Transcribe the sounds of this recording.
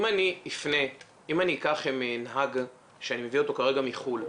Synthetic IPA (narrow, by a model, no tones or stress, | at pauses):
imaniifne | imaniːkaχemenɦaɡ | ʃeanime̞vio̞t̪o̞kaʁe̞ɡamiχul